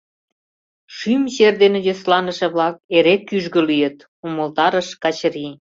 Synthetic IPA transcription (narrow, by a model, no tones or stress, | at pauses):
ʃymɕerd̪enejoslɑnə̆ʃĕβlɑk̚eɾekːyʒɣə̆lyjə̆t̪ | uməlt̪ɑɾə̆ʃkɑt͡ɕɾi